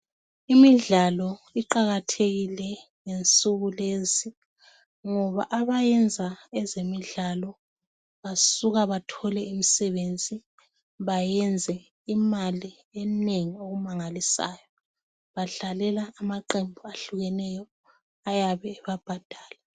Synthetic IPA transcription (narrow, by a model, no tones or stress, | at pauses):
imiɮalɔiǃaɣatʰeɣilɛŋent͡sʼuɣulezi | ŋɔβa̰ʔaβajɛnd͡zʱaɛzemiɮalɔ | βasuɣaβatʰɔlɛimisɛβend͡zʱi | βajɛnd͡zʱɛ | imali | ɛneŋioɣumaŋalisa̰ːjɔ | βaɮalɛlaːmaǃembʱuaɬuɣɛnɛjɔ | ajaβɛːβab̥ʱad̥ʱaːla